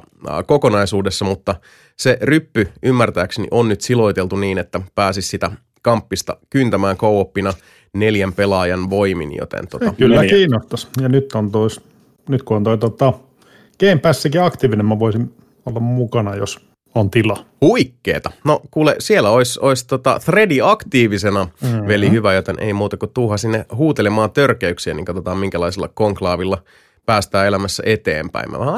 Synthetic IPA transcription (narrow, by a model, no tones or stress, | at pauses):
kokonɑisuːdesːɑmut̪ːɑ | serypːyʔymːært̪æːksnḭʔonːyt̪silo̞it̪elt̪uniːnet̪ːæpæːsissit̪æ | kɑmpːist̪ɑ̰kynt̪æmæːŋkowopːinɑ | ne̞ljæmpe̞lɑːjɑnʋo̞imḭnjo̰t̪ḛnt̪oɑkylːækiːnːost̪ɑsjɑnyt̪ːont̪ois | nyt̪kuont̪oit̪ot̪ɑ | keimpæsːækiɑkt̪iːʋinemmæʋoisin | olːɑmmukɑnɑjos | ont̪ilɑhuikːḛːt̪ɑnokuːlesielːæoisoist̪ot̪ɑ̰θrediɑkt̪iːʋisenɑʋelihyʋæjot̪enʔḛijmuːt̪ɑkut̪uːhɑsinːehuːt̪elemɑːnt̪ørkeyksiænḭŋkɑt̪ot̪ɑːmmiŋkælɑisilːɑ̰koŋklɑːʋilːɑ | pæːst̪æːelæmæsːæ̰ʔet̪ḛːmpæ̰imʔæ̰æ